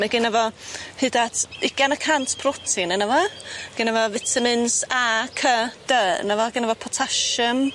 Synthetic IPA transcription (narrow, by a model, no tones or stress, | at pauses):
maɡɪnəvɔhɨdatʰɪɡ̥anəkʰantʰpʰrɔtʰɪnɛnəvɔɡ̥ɪnavɔvɪtʰamɪnsakʰəd̥ə̰nəvɔɡɪnavɔpʰɔtʰaʃəm